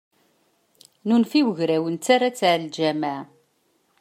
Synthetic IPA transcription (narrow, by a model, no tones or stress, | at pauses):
nunfiwəʝɾæwənt͡sːaɾat͡sːʕld͡ʒæmaʕ